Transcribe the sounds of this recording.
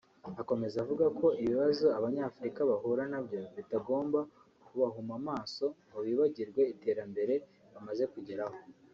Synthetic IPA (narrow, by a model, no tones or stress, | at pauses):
ako̞me̞zavuɡakʰo̞iβiβazo̞aβaɲaːfuɾikaβaɦuɾanabjo̞βitaɡo̞ːmba | kuβaɦumamaːso̞maβiːβaɟiɾɡwe̞ite̞ːɾambe̞ɾe̞ | βamaze̞kuɟeɾaho̞